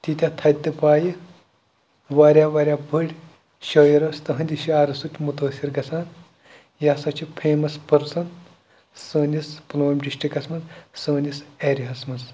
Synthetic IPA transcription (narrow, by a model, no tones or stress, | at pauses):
t̪it̪ʲat̪ʰɐt̪ɨpaːji | ʋaːɾʲjaːʋɐːɾʲjaːbʱɐɽʲ | ʃoːjiɾɐːst̪ɐɦɐ̃nʲd̪ʲiʃaːɾɐsut̪ʲmut̪ɐːsiɾɡɐsaːn | jaːsɐt͡ʃʰipʰeːmɐspɐɾsɐn | səːnʲisploːmʲɖiʃʈikɐsmɐzsəːnʲiseɾiɦɐsmɐs